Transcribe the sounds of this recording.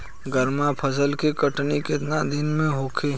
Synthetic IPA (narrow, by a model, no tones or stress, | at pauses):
ɡəɾmapʰəsəlkekəʈnikɪt̪nad̪ɪnmẽɦoːkʰeː